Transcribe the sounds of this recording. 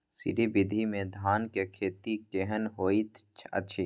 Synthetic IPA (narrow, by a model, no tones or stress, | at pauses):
sɪ̰ɾibɪd̪ʱimẽd̪ʱaːnkekʰeːt̪ikeɦənɦoːit̪t͡ʃʰɐ̰ʃʰiː